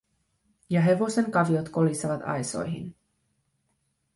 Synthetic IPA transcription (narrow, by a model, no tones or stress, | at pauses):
jɑɦe̞ʋo̞se̞ŋkɑʋio̞t̪ko̞liseʋɑt̪ɑ̰jso̞̰jɦḭn